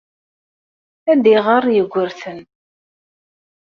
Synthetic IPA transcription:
æd̪iʁəɾˤjəɡʷːəɾθən

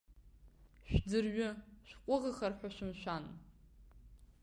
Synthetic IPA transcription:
ʃᶣd͡zɨrɥʊʃʷᶣqʷʼʊʁəχɐrħʷaʃʷʊmʃʷᶣan

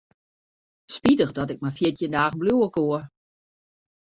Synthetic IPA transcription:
spidəχdɔtɪk̚mafjɪtʰjəndaːɣn̩bluəkoə

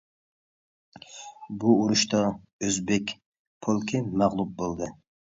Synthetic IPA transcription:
buuɾuʃt̪ɑ | øzbɛkʲ | pʰolˠkʰʲimæʁlˠup̚bolˠd̪ɨ

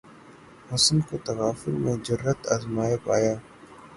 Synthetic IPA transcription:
ɦʊsnkot̪ɐʋaːfʊlmẽd͡ʒɐɾːət̪aːzmaːjəpaːjaː

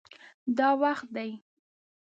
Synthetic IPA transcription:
d̪ɑwaxt̪̚d̪aj

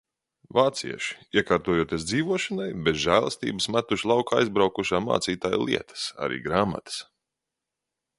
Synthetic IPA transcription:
vaːt̪siɛʃi̥iɛkaːɾt̪uɔjuɔt̪iɛsd̪ziːvuɔʃanajbɛzʒæːlˠəst̪ḭːbəsmat̪uʃlˠawkaajzbɾawkuʃaːma̰ːt̪siːt̪aːj̰lˠḭɛt̪ə̥sa̰ɾʔḭːɡɾaːma̰t̪ə̥s

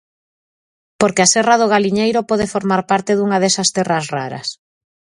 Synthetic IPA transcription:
poɾkeasɛraðoɣ̞aliɲejɾopɔðefoɾmaɾpaɾt̪ɪðuŋaðɛsɐst̪ɛrɐsraɾɐ̰s

